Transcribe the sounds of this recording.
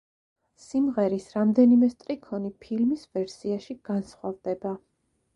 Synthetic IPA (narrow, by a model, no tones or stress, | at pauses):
simʁɛɾisɾamd̪ɛnimɛst̪ʼɾikʰɔnipʰilmisvɛɾsiaʃiɡ̥ansχwavd̪ɛba